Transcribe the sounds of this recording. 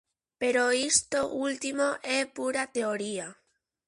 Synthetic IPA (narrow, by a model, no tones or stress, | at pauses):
peɾoist̪oʔult̪imoʔepuɾat̪eoɾia